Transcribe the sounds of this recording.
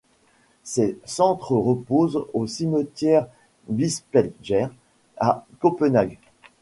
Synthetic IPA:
sesɑ̃t̪χəʁəpozosimət̪jɛʁ | vispɛlʒɛʁ | akɔpənaɡ

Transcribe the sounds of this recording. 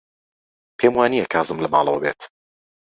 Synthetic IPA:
pʰeːmwaːniːjɛkʰaːzɨmlɐbɑ̰ːlˠɐ̰wɐbḛːt̪

